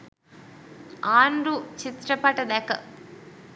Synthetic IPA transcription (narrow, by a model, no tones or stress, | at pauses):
aːnɾut͡ʃit̪ɾɐpaːʈɐd̪aːkɐ̰